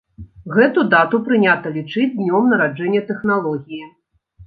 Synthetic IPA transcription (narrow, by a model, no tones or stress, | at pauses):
ɣɛt̪ud̪at̪upɾɨnʲat̪ɐlʲit͡ʂɨd͡zʲd̪ʲnʲɔmnɐɾad͡ʐɛnʲːɛt̪ɛxnalˠɔɣʲiji